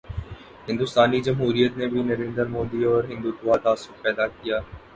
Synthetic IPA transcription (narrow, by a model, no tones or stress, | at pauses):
ɦɪ̃nd̪ʊst̪aːnid͡ʒɐmɦuːɾijət̪nebʱinɐɾẽːnd̪əɾmoːd̪iɔːɾɦɪ̃nd̪ut̪ʊʋaːd̪aːsʊk̚pɛːd̪akijaː